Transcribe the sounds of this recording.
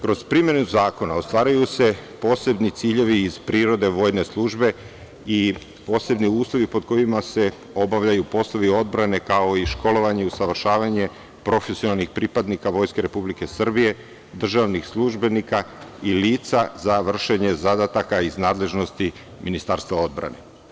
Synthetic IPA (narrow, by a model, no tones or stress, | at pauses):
kɾo̞zpɾimje̞nuzaːko̞naost̪ʋaːɾajuse̞po̞ːse̞bnit̪siːʎe̞ʋiːz̥pɾiːɾo̞d̪e̞ʋo̞ːjne̞slˠuʒbe̞ | i | po̞ːse̞bniuːslˠo̞ʋipo̞d̪̚ko̞imase̞ | o̞baʋʎajupo̞slˠoʋio̞d̪̚bɾane̞kao̞iʃko̞lo̞ʋaɲeusaʋr̩ʃaːʋaɲe̞ | pɾo̞fesionalˠnixpɾipad̪nikaʋo̞jske̞ɾe̞publike̞sr̩bije̞ | d̪r̩ʒaʋnixslˠuʒbe̞nikailiːt̪sazaʋr̩ʃe̞ɲe̞zad̪at̪akaiznaːd̪le̞ʒno̞st̪i | minist̪aɾst̪vao̞d̪̚bɾa̰ne̞̰